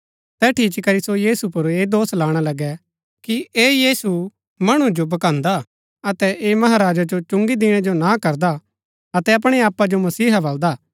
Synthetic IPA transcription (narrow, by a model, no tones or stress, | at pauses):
t̪ɛʈʰiːt͡ʃkɐɾisojiːsupʊɾeːd̪oːslaːɽ̃alɐɡɛ | kieːjiːsu | mɐɽ̃ũd͡ʒobɐkãːnd̪a | ɐt̪ɛʔeːmɐɦaɾaːd͡ʒad͡ʒot͡ʃʊ̃ŋɡid̪ɪɽ̃ɛd͡ʒonakɐɾd̪a | ɐt̪ɛɐp̬ɽ̃eaːpːad͡ʒomɐsiːɦabɐld̪aː